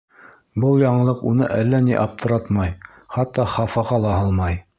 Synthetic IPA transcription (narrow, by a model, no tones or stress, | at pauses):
bɤlˠjɑɴɤ̆lˠɤqunɤ̰ʔælːæniʔɑp̚t̪ʰɤ̆ɾɑt̪mɑj | χɑt̪ːɑχɑfɑʁɑlˠɑɦɑlˠmɑj